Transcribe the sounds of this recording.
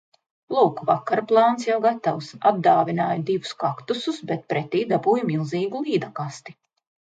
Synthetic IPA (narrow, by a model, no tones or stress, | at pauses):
lˠuːkvakaɾplˠɑːnsjawɡat̪awsab̚d̪aːvinaːjd̪ivuskakt̪ususbɛt̪̚pɾɛt̪iːd̪abuːjmilˠziːɡulˠiːd̪akast̪i